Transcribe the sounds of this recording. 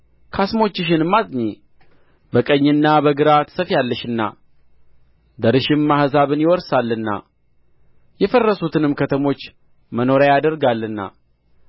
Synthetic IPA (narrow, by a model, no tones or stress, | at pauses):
kʰasmo̞t͡ʃːɪʃ̬ɪnɨmːazʼɲe | bəkʼəɲːɨnːabəɡɨɾat̪səfjalːəʃɨnːa̰ | d̪əɾɨʃɪmːahzaβɨnjɪwɔɾsalːɨnːa̰ | jɛfərːəsut̪ʰɨnɨmkʰət̪ʰəmo̞t͡ʃː | məno̞ɾajad̪əɾɡalːɨnːa̰